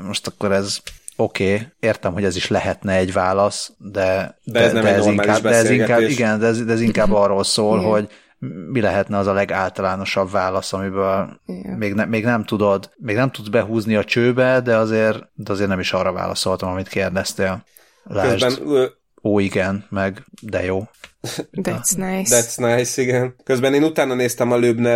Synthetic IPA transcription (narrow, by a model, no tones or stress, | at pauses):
mo̞ʃt̪ɒkːo̞ɾɛzo̞keːeːrt̪ɛmɦo̞ɟɛziʃlɛɦɛt̪nɛɛɟvaːlɒsd̪ɛd̪ɛd̪ɛɛziŋkaːdɛɛziŋkaiɡɛnd̪ɛɛzd̪ɛɛziŋkaːbːɒrːolsoːlɦo̞ɟ | milɛɦɛt̪nɛɒzɒlɛɡaːlt̪ɒlaːno̞ʃɒbvaːlɒsɒmibøːlmeːɡnɛmːeːɡnɛmt̪ud̪o̞d̪meːɡnɛmt̪ud̪zbɛɦuːzniɒt͡ʃøːbɛd̪ɛɒzeːrd̪ɛɒzeːrnɛmiʃɒrɒva̰ːlɒ̰so̞lt̪ɒmɒmit̪keːrd̪ɛst̪eːl | laːʒɛnø | oːiɡɛnmɛɡd̪ɛjoː | d̪ɛsnjd̪ɛt̪snajsiɡɛnkøzbɛneːnut̪aːnɒneːst̪ɛmɒløbnɛ